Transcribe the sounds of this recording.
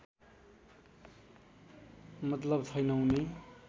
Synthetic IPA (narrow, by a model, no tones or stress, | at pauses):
mʌt̪lʌbt͡sʰʌjnʌũne